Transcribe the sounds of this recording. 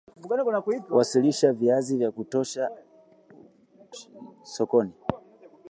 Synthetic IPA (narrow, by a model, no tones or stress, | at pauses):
vuɡanɛkɔnakuipwasiliʃaviazivjakutɔʃa | sɔkɔni